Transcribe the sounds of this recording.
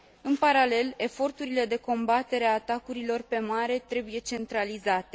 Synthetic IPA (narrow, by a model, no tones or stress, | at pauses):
ɨnpaɾale̞le̞fo̞rt̪uɾile̞d̪e̞ko̞mbat̪e̞ɾeaːt̪akuɾilo̞rpe̞maɾe̞t̪ɾe̞buje̞t͡ʃe̞nt̪ɾalizat̪e̞